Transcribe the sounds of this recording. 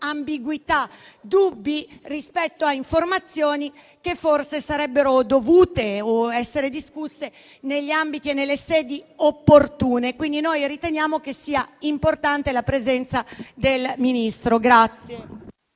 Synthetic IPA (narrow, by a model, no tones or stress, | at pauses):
ambiɡwit̪a | d̪ubːirispɛt̪ːoaiɱformat̪sːjoːni | kefːorsesaɾɛbːeɾod̪ovuːt̪eoɛsːeɾed̪iskusːe | neʎːiambit̪ienːelːesɛːd̪iopːort̪uːnekwind̪inojɾit̪enjaːmok̟esːiːaimport̪ant̪elapɾezɛnt̪sad̪elminist̪ɾoɡɾat̪sːje